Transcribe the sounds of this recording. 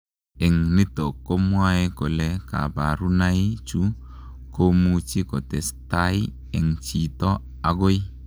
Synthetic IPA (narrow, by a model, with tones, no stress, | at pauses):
ɛ˨ŋni˦to˨kːo˦mwa˦e˦ko˨lɛ˦ka̰˨ba̰˨ɾu˦na˦i˦t͡ʃu˦ | ko˦mu˦t͡ʃi˦kɔ˨tɛ˨sta˦i˦ | ɛ˨ŋt͡ʃi˨tɔ˦ | a˨ɡo˦j